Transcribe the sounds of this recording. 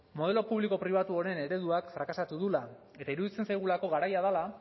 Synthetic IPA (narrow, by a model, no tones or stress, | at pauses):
mo̞ð̞e̞lo̞puβliko̞pɾiβ̞at̪uo̞ɾe̞ne̞ɾe̞ðuakfɾakasat̪uðula | e̞t̪aiɾuðit͡se̞nsajɣ̞ulako̞ɣaɾajaðala